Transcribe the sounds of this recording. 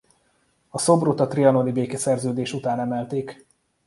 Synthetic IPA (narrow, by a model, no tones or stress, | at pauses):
ɒso̞brut̪ɒt̪riɒnolibeːkɛsɛrzøːd̪eːʃut̪aːnɛmɛlt̪eːk